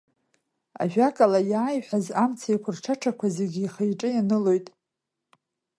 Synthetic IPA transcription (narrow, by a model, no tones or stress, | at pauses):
a̰ʒᶣakʼalajaːjħʷᶣazamt͡sʰajkʷʰʊrʈ͡ʂʰaʈ͡ʂʰakʷʰazeɡʲiːχejʈ͡ʂʼɨjanɨlo̞jtʼ